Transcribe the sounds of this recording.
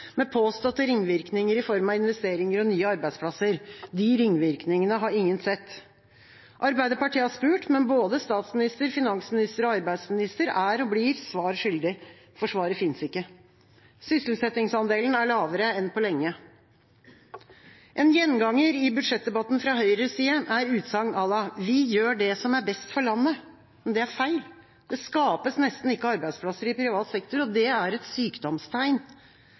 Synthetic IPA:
mɛpʰoːst̪ɔt̪ːəɾɪŋʋɪɾknɪŋəɾɪfɔɾmɑɪnʋɛst̪eːɾɪŋəɾɔnyːəɑɾbæɪd̪spʰlɑsəɾd̪ɪɾɪŋːʋɪɾknɪŋənəɦɑɾɪŋːənsɛt̪ː | ʔɑɾbæɪd̪əpɑʈiːəhɑʂpʉːʈmɛnboːd̪əst̪ɑːt̪smɪnɪst̪əɾfɪnɑŋsmɪnɪst̪əɾɔɑɾbæɪd̪smɪnɪst̪əɾæɾɔbliːɾsʋɑːɾʂʏld̪ɪ | fɔʂʋɑːɾəfɪnsɪkːə | sʏsl̩sɛt̪ɪŋsɑnd̪eːlnæɭɑːʋəɾəɛnpɔlɛŋːə | ʔɛnjɛnːɡɑŋːəɾɪbʉd̪ʂɛt̪̚d̪ɛbɑt̪ːn̩fɾɑɦœʏɾəsiːəʔæɾʉːt̪sɑŋːɑlɑʋɪjøːɖɛsɔmæɾbɛst̪fɔɭɑnːə | mɛnd̪ɛæɾfæɪl | d̪̥ɛskɑːpəsnɛst̪n̩ɪkːəɑɾbæɪspʰlɑsəɾɪpʰɾɪʋɑːt̪sɛkt̪ʊɾɔd̪ɛæɾɛt̪syːkd̪ɔmst̪ʰæɪn

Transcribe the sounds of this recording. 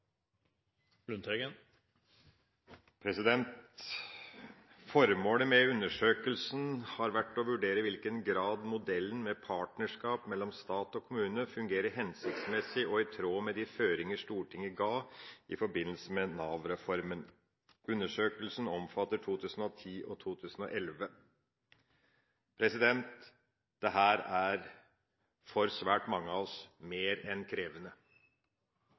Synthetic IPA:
lʉnt̪ɛɡən | pʰɾɛsɪd̪ɛnt̪ | fɔɾmoːləmɛʉnːəʂøːkəlsn̩hɑɾʋæʈːɔʋʉɖeːɾəʋɪlkənɡɾɑːd̪mʊd̪ɛlːən̩mɛpʰɑːʈnəʂkɑːpmɛlːɔmst̪ɑːt̪ɔkʰʊmʉːnəfʉŋɡeːɾəɦɛnsɪkt̪smɛsɪʔɔɪt̪ʰɾoːmɛd̪ɪføːɾɪŋəʂt̪uːʈʰɪŋːəɡɑːʔɪ̰fɔɾbɪnːəl̩səmɛnɑːʋɾɛfɔɾmən | ʉnːəʂøːkəlsn̩ɔmfɑt̪ːəʈʰuːt̪ʰʉːsn̩ɔt̪ʰiːʔɔt̪ʰuːt̪ʰʉːsn̩ɔʔɛlʋə | pʰɾɛsɪd̪ɛnt̪ | d̪̥ɛɦæːɾæɾ | fɔɾsʋæːʈmɑŋːəɑɔsmeːɾɛnkʰɾeːʋənə

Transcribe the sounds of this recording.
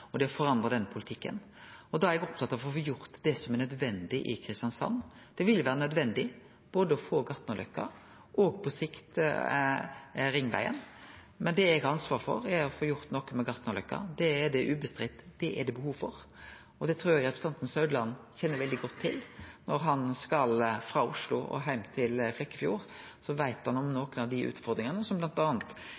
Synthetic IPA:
ɔd̪ɛɔfɔɾɑnd̪ʁɑd̪ɛnːəpʰʊlɪt̪ʰɪkːə̰n | ɔd̪ɑæɾɛɡɔpt̪ɑt̪ːɑʋfɔfoːjʊɾt̪d̪ɛsɔmɛɾnœd̪ʋɛnd̪ɪʔɪkʰɾɪst̪jɑnsɑ̰nː | d̪̥ɛʋɪljʋæːɾənœd̪ʋɛnd̪ɪ | b̥oːd̪əɔfoːɡɑt̪nəɔlœ̰kːɑ̰ | ʔɔɡpʰɔsɪkt̪ | ɾɪŋːʋæ̰ɪə̰n | mɛnd̪ɛɛɡɑnsʋɑːɾfɔ̰ɾɛɾɔfoːjʊɾt̪nɔkːəmɛɡɑt̪nɔlʏkːɑ̰d̪ɛːɖɛʔʉːbəst̪ɾɪt̪ːd̪̥ɛʔɛ̰ɖ̪ɛbəhuːʋfɔɾ | ɔd̪ɛt̪ʰɾuːɾjæɡɾɛpɾɛst̪ɑnt̪n̩sɑʉd̪əlɑnçɛnːəɾʋɛld̪ɪɡɔt̪ʰːɪlnɔɾɦɑnskɑlfɾɑːʊʂlʊ̰ʔɔ̰ɦæɪmt̪ʰɪlflɛkːəfjṵːɾ | sɔʋæɪt̪hɑnɔmnoːkənɑʋd̪ɪʔʉ̰ːt̪fɔɾd̪ɾɪŋənəsɔmblɑnt̪ɑːnt̪

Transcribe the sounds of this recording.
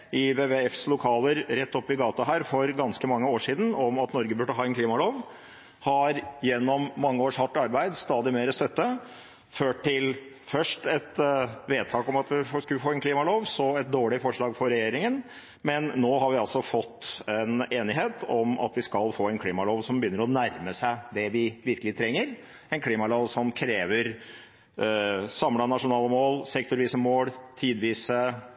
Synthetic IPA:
ɪʋeːʋeɛfslʊkʰɑːləɾɾɛt̪ːɔpːɪɡɑːt̪ɑɦæːɾfɔɾɡɑnskəmɑŋːəoːʂiːd̪ən̩ɔmɑt̪nɔɾɡəbʉɖːəɑːɛnkʰliːmɑloːʋ | hɑɾjɛnːɔmːɑŋːəoːʂhɑʈːɑɾbæɪd̪st̪ɑːd̪ɪmeːɾəst̪œt̪ːə | føːʈ̚ʈːɪl | fœʂʈɛt̪ʋeːd̪̚t̪ʰɑːkɔmɑt̪ʋɪskʉlfoːɛnkʰliːmɑloːʋsɔɛt̪̚d̪oːɭɪfɔʂɭɑːɡfɔɾɛjeːɾɪŋən | mɛnːoːɦɑɾʋɪɑlsɔfɔt̪ːɛneːnɪɦeːt̪ʰɔmɑ̰t̪ʋɪskɑlfoːɛɪnkʰliːmɑloːʋsɔmbəjʏnːəɾɔnæɾməsæɪd̪ɛʋɪʋɪɾkəlɪt̪ʰɾɛŋːəɾ | ɛnkʰliːmɑloːʋsɔmkʰɾeːʋəɾ | sɑmlɑnɑʂʊnɑːləmoːlsɛk̚t̪ʊɾʋiːsəmoːlt̪ʰiːd̪ʋiːsə

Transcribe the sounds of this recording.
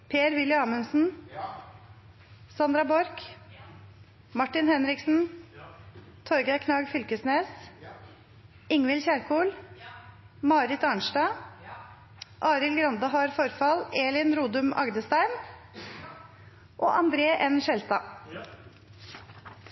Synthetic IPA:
pʰeːɾʋɪləɑːmʉnsn̩ | sɑnd̪ɾɑbɔɾk | mɑʈːɪnhɛnɾɪksn̩ | t̪ʰɔɾɡəɪkʰnɑːɡfʏlkəsneːs | ɪŋʋɪlçæɾkʰuːl | mɑːɾɪt̪ɑɳʃʈɑː | ʔɑːɾɪlɡɾɑnd̪ɑɦɑɾfɔɾfɑleːlɪnɾuːd̪ʉmɑ̰ɡd̪əst̪æɪm | ʔo̰ːʔɑnd̪ɾeːʔɛnʃɛlst̪ɑ̰ː

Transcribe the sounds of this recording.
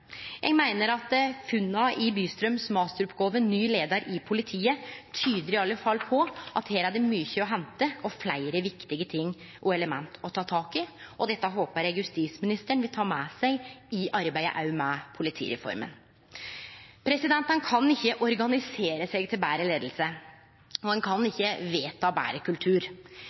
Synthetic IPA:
jæ̰ɡmæɪnəɾɑt̪fʉnːɑʔɪbyːst̪ɾœmsmɑːst̪ɾʊpɡɔlʋənnyːleːd̪ɑɾʔɪpʰʊlɪt̪ʰiːət̪ʰyːd̪əɾɪɑlːəfɑlpʰɔʔɑt̪heːɾæɖəmyːçəɔɦɛnt̪əɔflæɪɾəʋɪkt̪ɪɡət̪ʰɪŋː | ʔɔɛləmɛnt̪ʰɔt̪ʰɑːt̪ʰɑːkɪʔɔd̪ɛt̪ːəɦoːpəɾjæɡjʉst̪iːsmɪnɪst̪əɳʋɪlt̪ʰɑːmɛsæɪɪʔɑɾbæɪə̰ʔɑ̰ʉmɛpʰʊlɪt̪ʰḭːɾɛ̰fɔ̰ɾmə̰n | pʰɾɛsɪd̪ɛnt̪ənkʰɑnɪçːəʔɔɾɡɑnɪseːɾəsɛːɡt̪ʰɪlbæːɾəleːd̪l̩sə | ɔd̪ɛnkʰɑnɪçːəʋeːt̪ʰɑːbæ̰ːɾəkʰʉlt̪ʰʉːɾ

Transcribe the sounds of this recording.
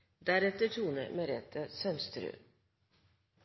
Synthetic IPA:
d̪æɾɛt̪əʈʰuːnə̰ɾmeɾɛt̪ʰəsœmst̪ɾʉ̰ː

